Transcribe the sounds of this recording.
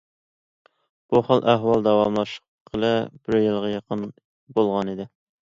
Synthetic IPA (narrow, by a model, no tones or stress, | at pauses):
b̥uχəlˠʔæɦwɑlˠd̪ɑwɑmlˠɑʃə̥qʰː | əlˠɨbɪɾjɨlˠʁɑjɑqʰən | bolˠʁɑnid̪ɪ